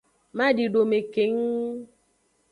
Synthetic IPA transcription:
ma˦di˨ɖo˨me˨ke˨˦ŋ

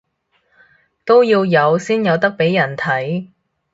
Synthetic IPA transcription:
t̪o˥wjiː˧wjɐ˨˧wsiː˥njɐ˨˧wt̪ɐ˥k̚pe˨˥jːɐ˨˩nt̪ʰɐ˨˥j

